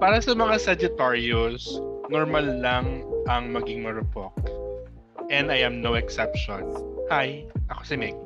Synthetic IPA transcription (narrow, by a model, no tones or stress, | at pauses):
paːɾɐsɐmɐŋasɐd͡ʒɪt̪aɹjosnoɹmɐlːɐŋʔɐŋmɐɡɪŋmɐɾʊpok̚ | ʔɛnd̪ajɐmnowɛksɛpʃɔnhajʔɐkosɪmɛk̚